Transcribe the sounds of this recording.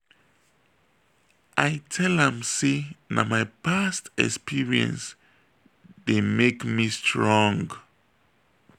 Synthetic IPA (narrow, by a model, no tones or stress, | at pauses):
ʔajtʰɛlɛ̃msina̰majpʰastɛ̰kspiɹiə̰̃ns | demekmistʰɹɔ̃ŋɡ